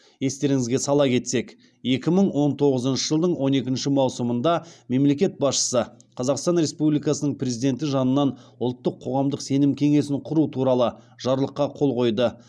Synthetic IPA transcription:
je̞st̪e̞ɾɪŋɪzɡʲe̞sɑlˠɑkʲʰe̞t̪se̞k | je̞kʲɪməɴwo̞nt̪ʰo̞ʁəzənʃəʒəlˠd̪əɴwo̞ne̞kʲɪnʃɪmɑwsəmənd̪ɑme̞mle̞kʲe̞t̪̚bɑsʃə̥sə | qʰɑzɑqst̪ɑnɾe̞spublijkɑsənəɴprʲe̞zijd̪e̞nt̪ɪʒɑnənːɑnʊlˠt̪ːəqʰːo̞ʁɑmd̪əqse̞nɪmkʲʰe̞ŋe̞sɪɴqʰʊɾut̪ʰuɾɑlˠə | ʒ̥ɑɾlˠəqːɑqʰo̞lˠqʰo̞jd̪ə

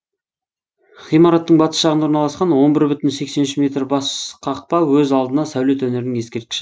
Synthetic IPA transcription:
χijmɑɾɑt̪ːəɴbɑt̪ə̥sʃɑʁənoɾnɑlˠɑsqɑnwo̞nbɪɾbʏt̪ɪnse̞kse̞nʃɪmʲet̪rbɑsqʰɑq̚pɑwɵzɑlˠd̪ənɑsæwle̞t̪wɵne̞ɾɪnɪŋje̞skʲe̞ɾt̪kʲɪ̥ʃɪ

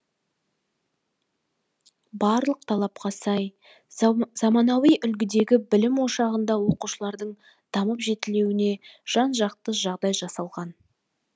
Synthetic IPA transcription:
bɑɾlˠəq̚t̪ʰɑlˠɑpqɑsɑj | zɑmɑnɑwijʔʏlɡʲɪd̪e̞ɡʲɪbɪlɪmwo̞ʃɑʁənd̪ɑwo̞quʃəlˠɑɾd̪əɴ | d̪̥ɑməpʒe̞t̪ɪle̞wɪne̞ʒ̥ɑnʒɑq̚t̪əʒɑʁd̪ɑjʒɑsɑlˠʁɑn

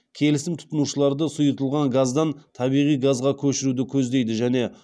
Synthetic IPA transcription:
kʲʰe̞lɪsɪmt̪ʰʊ̥t̪ənuʃəlˠɑɾd̪əsʊjət̪əlˠʁɑŋɡazd̪ɑnt̪ʰɑbijʁijɡazʁɑkʲʰɵʃɪɾud̪ɪkʲʰɵzd̪e̞jd̪ɪʒæne̞

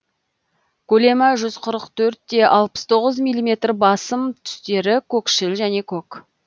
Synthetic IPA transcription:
kʲʰɵle̞mɑʒʏzqʰʊɾəqt̪ʰɵɾt̪ːe̞ʔɑlˠpə̥st̪ʰo̞ʁəzmijlʲːˠime̞t̪rbɑsəmt̪ʰʏ̥st̪e̞ɾɪkʲʰɵkʃɪlʒæne̞kʲʰɵk

